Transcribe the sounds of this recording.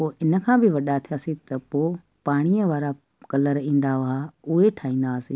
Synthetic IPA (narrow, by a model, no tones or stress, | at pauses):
poːʔɪnə̆kʰãːbɪʋɐɗat̪ʰijasit̪ɐpoː | paːɽ̃ijəʋaːɾa | kɐləɾĩːn̆d̪aʋɦaʊɦeʈʰaːĩːn̆d̪aːsiː